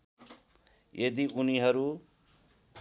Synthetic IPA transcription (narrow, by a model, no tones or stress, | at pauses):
jʔed̪iʔuniɦʌɾu